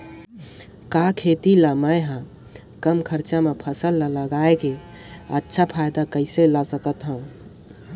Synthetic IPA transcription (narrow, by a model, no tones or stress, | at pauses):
kakʰet̪ilaməjɦə̃ | kəmkʰəɾt͡ʃamepʰəsəlːaləɡaeke | ətːʃʰapʰajd̪akəɪselasəkət̪ɦəũ